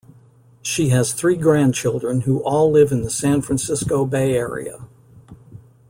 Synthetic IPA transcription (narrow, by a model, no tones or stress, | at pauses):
ʃiɨz̥θɹiɡɹæ̃nt͡ʃʰɪlˠdɹɨ̃nhuʔɔlˠɪvɨ̃nðəsæ̃nfɹæ̃nsɪskoʊbeɪɛɹḭɨ̰